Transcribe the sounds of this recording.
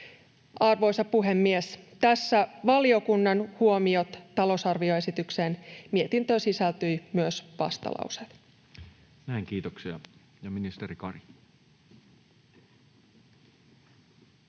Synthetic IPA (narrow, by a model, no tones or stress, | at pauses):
ɑrʋo̞jsɑpuɦe̞mːiest̪æsːæʋɑlio̞kunːɑnhuo̞mio̞t̪t̪ɑlo̞sɑrʋio̞e̞sit̪ykse̞nmiet̪int̪øsisælt̪yjmyøsʋɑ̰st̪ɑ̰lɑ̰wset̪ | næiŋkiːt̪oksiɑ̰ | jɑminist̪eɾikɑrjɑ